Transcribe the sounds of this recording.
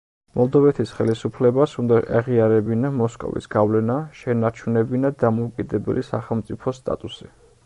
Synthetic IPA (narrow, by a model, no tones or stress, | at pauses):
mʔɔlˠd̪ɔvɛt̪ʰisχɛlisupʰlɛbasund̪aʔaʁiaɾɛbinamɔskʼɔ̰vḭsɡ̥avlɛnaʃɛnaɾt͡ʃʰunɛbinad̪amɔukʼid̪ɛbɛ̰lisaχɛlˠmt̪sʼipʰɔst̪ʼa̰t̪ʼusi